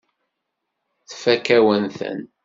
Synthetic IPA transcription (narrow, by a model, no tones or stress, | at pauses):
θfækæwənθə̰n